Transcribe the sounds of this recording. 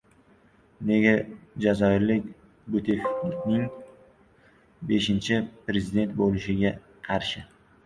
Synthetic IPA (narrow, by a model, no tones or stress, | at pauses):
ne̞ɡʲad͡ʒazɒɪɾlɪkʲ | bʊt̪ʰefilɪkʲnɪŋ | be̞ʃɪnt͡ʃʰɪpɾe̞zɪd̪e̞nt̪̚bolɪʃɪɡʲa | qʰɑɾʃɪ